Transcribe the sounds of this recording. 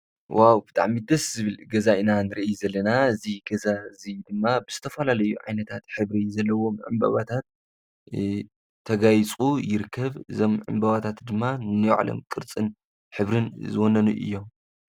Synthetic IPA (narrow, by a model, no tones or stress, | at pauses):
wʔawbɨt̪ʼa̰ʕmid̪ɐszɨβɨlɡɐzaʔɨnanɨɾɨʔjuzɐlːɐnaɨziɡɐzazid̪ɨmːabɨz̥ɨt̪ʰɐfɐlalɐjuʕa̰jnɐt̪ʰat̪ħɨβɾizɐlːɐwo̞mʕɨ̰mbɐ̰βat̪ʰat̪̚ | t̪ʰːɐɡajt͡sʼujɪɾɨkʰːɐβɨzo̞mʕɨ̰mbɐβat̪ʰat̪d̪ɨmːannɨjʕ̰lo̰mkʼɨɾt͡sʼɨn | ħɨβɾɨnzɨwonɐnṵʔɨ̰jːo̞m